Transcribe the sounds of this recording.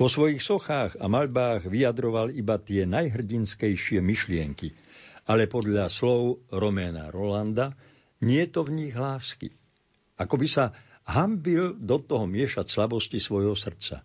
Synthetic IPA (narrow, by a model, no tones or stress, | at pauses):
vɔsʋɔjixsɔxaːɣamaʎbaːɣʋijad̪ɾɔʋalibat̪ɪɛnajɦr̩ɟinskɛjʃɪɛmiʃlɪɛŋki | alɛpɔd̪ʎaslɔʊɾɔmɛna̰ɾɔland̪a | ɲɪɛt̪ɔvɲiɣɦlaːskḭ | akɔbisa | ɦambild̪ɔt̪ɔɦɔmɪɛʃacslabɔscisʋɔjɦɔsr̩t͡sa̰